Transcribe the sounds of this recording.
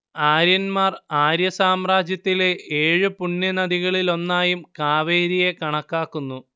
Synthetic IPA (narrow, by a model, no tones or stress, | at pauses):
aːɾjɐnmaːraːɾjɐsaːmraːd͡ʑjɐt̪ːile̞eːɻɨpuɳːɐnɐðiɣɐɭilo̞nːaːjumkaːʋeːɾijekɐɳɐkːaːkːunːu